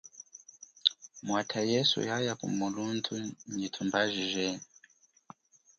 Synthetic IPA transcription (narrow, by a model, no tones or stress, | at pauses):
mwatʰajɛsṵjajakṵmuluntʰuɲitʰumbaʒiʒɛ